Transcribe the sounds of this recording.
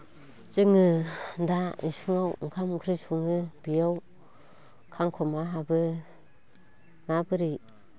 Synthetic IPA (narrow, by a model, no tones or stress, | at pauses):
t͡ʃɯŋɯndaḭsɯŋaw̰ŋkʰamkʰɾisuŋɯbijaw | kʰaŋkʰɔmaɦabɯ | nabɯɾi